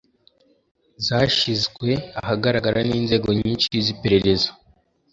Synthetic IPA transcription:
zaːʃizɡwe̞ahaɡaɾaɡaɾaniːnze̞ːɡo̞ɲiːnʃiizipe̞ɾe̞ɾe̞zḁ

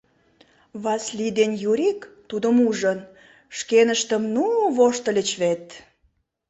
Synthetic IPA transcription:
βɑslʲid̪enjuɾʲikt̪ud̪əmuʒən | ʃkenəʃt̪əmnuβoʃt̪ə̆lʲət͡ɕβet̪

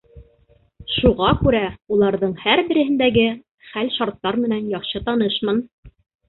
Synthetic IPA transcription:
ʃuʁɑkʉɾæulˠɑɾðɤɴhæɾbɘ̆ɾɘ̆hɘ̆nd̪æɡɘ | χælʃɑɾt̪ːɑɾmɘ̆nænjɑqʃɤt̪ɑnɤʃmɤn

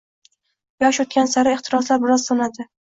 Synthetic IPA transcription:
jɒʃɵt̪̚kʲansaɾɪeχt̪ʰɪɾɒslaɾbɪɾɒzsonad̪ɪ

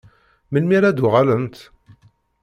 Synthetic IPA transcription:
məlmiɾad̪ʊʁalənt̪

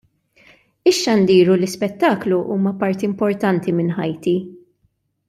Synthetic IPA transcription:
ɪʃːɐnd̪iːɾulɪspɛt̪ːɐːkluʔuːmɐpɐɾt̪iɪmpɔɾt̪ɐnt̪imɪnħɐjt̪i

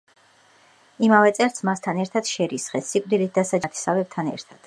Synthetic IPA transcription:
imavɛt̪sʼɛɾsʰmast̪ʰanɛɾt̪ʰad̪̥ʃɛɾisχɛsikʼd̪ilit̪̚d̪asad͡ʒt̪ʰi̥savɛb̚t̪ʰanɛ̰ɾt̪ʰad̪̥

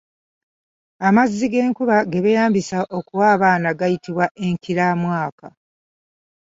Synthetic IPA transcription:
amazːiɡe̞ːŋkuβaɡe̞βejaːmbisaʔo̞kuwaːβaːnaɡajitiβwaʔe̞ŋkiɾamwaːka

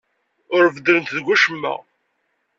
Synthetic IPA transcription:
ʊɾvəd̪əɾənt̪ðɡʷːæʃəmːæ̰

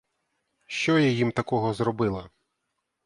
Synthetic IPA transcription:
ʃt͡ʃɔjɛjimt̪ɐkɔɦɔzɾɔbɪlˠɐ

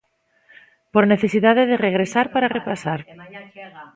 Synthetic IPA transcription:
poɾne̞θe̞siðaðeðereɣ̞ɾesaɾpaɾarepasaɾ

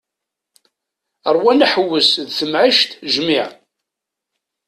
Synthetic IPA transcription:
əɾˤwænaħəwːəsðθəmʕiʃt̪ʒmiʕ

